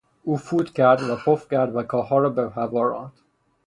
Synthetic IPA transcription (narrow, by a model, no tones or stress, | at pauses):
uːfuːd̪cʰæɾd̪væpʰofcæɾd̪vækʰɒːɦɒːɾɒːbeɦævɒːɾɒ̰ːnd̪̥